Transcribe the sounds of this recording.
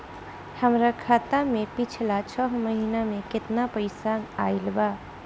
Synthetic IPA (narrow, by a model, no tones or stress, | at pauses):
həmɾakʰat̪amẽpit͡ʃʰlat͡ʃʰəɦməɦinamẽkɪt̪napəɪsanailba